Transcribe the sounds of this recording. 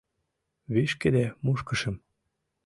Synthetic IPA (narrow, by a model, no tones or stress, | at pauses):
βiʃked̪emuʃkə̆ʃə̆m